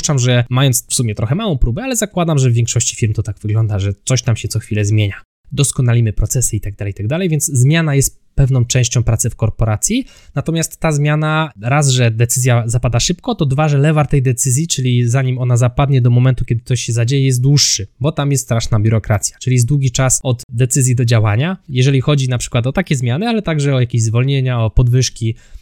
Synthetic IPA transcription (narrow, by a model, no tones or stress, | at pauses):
t͡ʂamʐɛmajɔntsfsumʲjɛt̪ɾɔxɛmawɔ̃w̃pɾubɛalɛzakwad̪amʐɛvvʲjɛ̃ŋkʂɔɕt͡ɕi̥fʲiɾmt̪ɔt̪aɡvɘɡlɔnd̪aʐɛt̪sɔɕt̪amɕɛt̪sɔxfʲilɛzmʲjeɲa | d̪ɔskɔnalʲimɘpɾɔt̪sɛsɘit̪aɡd̪alɛjt̪aɡ̚d̪alɛjvʲjɛnszmʲjanajɛst̪pɛvnɔ̃w̃t͡ʂɛ̃w̃ɕt͡ɕɔ̃w̃pɾat̪sɛfkɔɾpɔɾat̪sʲji | nat̪ɔmʲjast̪ːazmʲjanaɾazʐɛd̪ɛt̪sɘzʲjazapad̪aʂɘpkɔt̪ɔd̪vaʐɛlɛvaɾt̪ɛjd̪ɛt̪sɘzʲjit͡ʂɘlʲizaɲimɔnazapad̪ɲɛd̪ɔmɔmɛnt̪ukʲɛd̪ɘ̥k̪̚t̪ɔɕɕɛzad͡ʑejɛjɛst̪d̪wuʂːɘbɔt̪amjɛst̪ːt̪ɾaʂnabʲuɾɔkɾat̪sʲjḁt͡ʂɘlʲiɛs̬d̪wuɡʲit͡ʂasɔd̪d̪ɛt̪sɘzʲjid̪ɔd͡ʑawaɲajɛʐɛlʲixɔd͡ʑinapʂɘ̥kwat̪ɔt̪akʲɛzmʲjanɘalɛt̪aɡʐɛɔjakʲeʑzvɔlɲeɲaɔpɔd̪vɘʂkʲi